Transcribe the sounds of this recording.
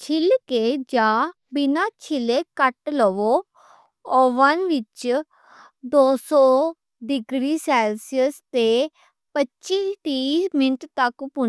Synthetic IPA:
t͡ʃʰɪlkeːd͡ʒãː | bɪnaːt͡ʃʰɪleːkəʈləʋoː | oʋənʋɪt͡ʃ | d̪oːsɔː | ɖɪɡɾiːsɛːlsiəst̪eː | pətːt͡ʃiʈiːmɪnʈt̪əkpʊn

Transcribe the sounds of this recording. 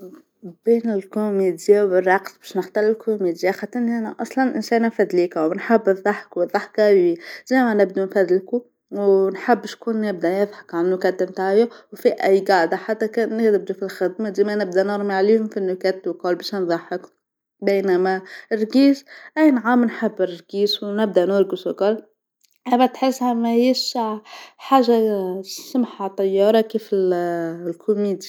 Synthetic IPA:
b̥iːnɪlkʊmid̪jawərˤːɑqt̪bæ̥ʃnəxt̪ɑlɪlkʊmid̪ɪjaxat̪ːɪnːiʔænæʔɑsˤlɑnʔɪ̰nʃæːnæfæd̪liːkawnħabːðˤːɑħkwɨðˤːɑħkæwizimænɪb̚d̪unfæd̪lku | wnħabːʃkuːnːɪbd̪æjɨðˤħə̥kʕannːʊkæt̪ːɪmt̪aʕjawfiʔæjːɡɑʕd̪aħat̪ːækæːnːɪxd̪ɪb̚d̪ufilxɪd̪mad̪iːmænɪb̚d̪ænɑɾˤmiʕlihʊmfinːʊkæt̪ːwkɑːlbæʃnðˤɑħək | bæːnæmærɡiːsʔæjnʕamnħabːɪrˤɡiːswnɪb̚d̪æʔnʊɾɡiskɑl | ʔæbæt̪ħɪsːhæmæhjiʃ | ħaːʒːasʊmħat̪ˤːɑjːɑːɾˤɑkifɪllkʰʊmiːd̪i̥

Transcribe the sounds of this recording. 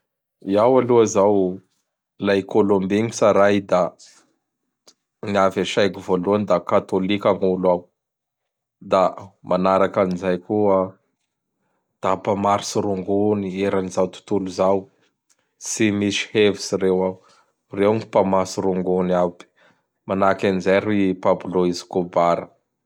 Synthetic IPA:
iawaluazaw | lajkolombiŋisaɾajd̪a | niavaʃajkivoluanid̪akat̪olikʲaŋulwaw | d̪amʔanaɾakanizajkua | d̪̥apamaɾisiɾuŋɡunieɾanizawt̪u̥t̪uluzaw | simisi̥hevisirewaw | rewŋipamasuɾuŋɡunapi̥ | manakanizajɾipabuloizi̥kobaɾə̰

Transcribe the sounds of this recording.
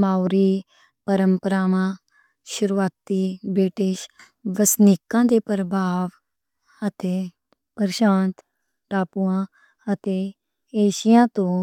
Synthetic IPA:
maːʊɾiː | pəɾəmpəɾaːʋãː | ʃʊɾuaːt̪ːiːbɾɪʈɪʃ | ʋəsnɪkːãːd̪eːpɾəbʱaːʋ | ət̪eː | pəɾʃãːnt̪ | ʈaːpuãː | ət̪eː | eːʃijãːt̪õː

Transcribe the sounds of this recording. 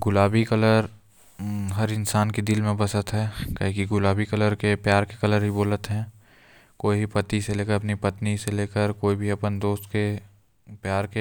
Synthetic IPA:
ɡʊlaːbikələɾ | ɦɐɾɪnsaːnked̪ɪlmẽbɐsət̪ɦɛːkəɦikiɡʊlaːbikɐləɾkepjaːɾkekɐləɾɦiboːlət̪ɦɛ̃ː | koːiipɐt̪iseleːkəɾɐpnipɐt̪niseleːkəɾkoːibʱiɐpənd̪oːst̪ke | pjaːɾke

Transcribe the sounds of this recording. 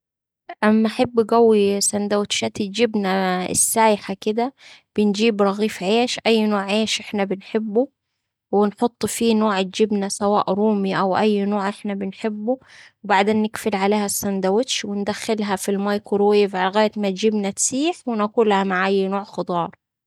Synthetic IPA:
ʔamːaħabːɡæwːisand̪awɪt̪ʃat̪ɪd͡ʒɪbnaɪ̰sːaːjɪħakɪd̪æb̥ɪnd͡ʒiːbɾˤɑɣiːfʕeːʃʔajːnoːʕʕeːʃʔɪħnabɪnħɪbːu | wɪnħot̪ˤːfiːnoːʕɪd͡ʒɪbnasawa̰ːʔɾuːmiʔawʔæjːnoːʕʔɪħnabɪnħɪbːuwbaʕd̪eːnːɪkfɪlʕaleːhæsːænd̪awɪt̪ʃwɪnd̪æxːɪlɦæfilmajkʊɾweːvʕalɣaːjɪt̪mat̪d͡ʒɪbnat̪siːħwɪnakuːlhamaʕʔajːnoːʕxɑd̪ˤɑːɾˤ

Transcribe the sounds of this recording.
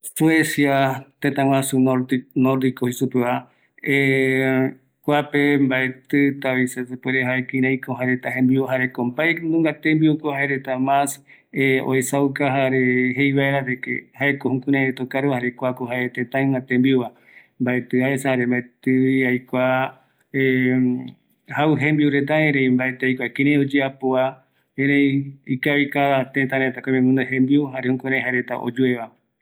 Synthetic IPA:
suesjat̪et̪ãwʷãsunoɾnoɾd̪ikohisupea | e | kʷapembaet̪ɨt̪aβisesepeɾeɦaekĩɾãjkoɦaeɾet̪aɦẽmbiaɦaɾekombaenũŋɡat̪embiukohaeɾet̪amãs | eo̰esaukaɦaɾeɦejβaeɾaɾekḛhaekohũkũɾãet̪okaɾuhaɾekʷakoɦaet̪ẽt̪ãj̃ŋãt̪ẽmbiuβa | mbaet̪ɨaesehaɾembaet̪ɨiajkʷa | e | hauɦẽmbiuɾet̪̬aẽɾej̃mbaet̪eajkʷakeɾẽjod͡ʒeapoa | ẽɾẽikaβikaβat̪et̪ãɾet̪akomẽmũnd̪aɦẽmbiuɦaɾehũkũɾẽjɦaɾet̪a̰ʔo̰d͡ʒueβa

